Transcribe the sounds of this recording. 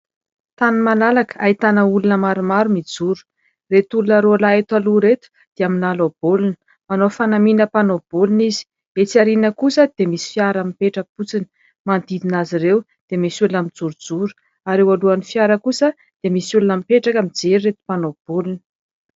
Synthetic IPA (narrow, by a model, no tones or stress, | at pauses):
t̪animalalakə̥ait̪anəulunəmaɾumaɾumid͡zuɾu̥ | ret̪ulunəɾolaet̪aluɾet̪u̥ | d̪̥eaminalob̥olunə̥ | manofanaminəpanobolunizi̥ | et͡siaɾinəkusəd̪̥emisi̥fiaɾamipeʈ͡ʂəput͡sinə̥ | mand̪id̪inaziɾew | d̪̥emisiulunamind͡zuɾud͡zuɾu̥ | aɾewaluanifiaɾəkusə | d̪̥emisulunamipeʈ͡ʂakəmid͡zeɾiet̪u̥panob̥olunə̥